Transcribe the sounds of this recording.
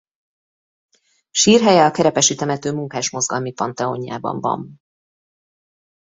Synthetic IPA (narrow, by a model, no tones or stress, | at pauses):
ʃiːrɦɛjɛɒkɛɾɛpɛʃiːt̪ɛmɛt̪øːmuŋkaːʃmo̞zɡɒlmipɒnt̪ɛoɲja̰ːbɒ̰ɱvɒ̰ɱ